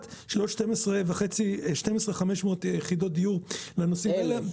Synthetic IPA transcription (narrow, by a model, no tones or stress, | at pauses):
tʃloʃtemesʁevaχet͡siʃte̞mesʁeχameʃmo̞ːt̪jeχid̪o̞t̚d̪ijuʁlenosimele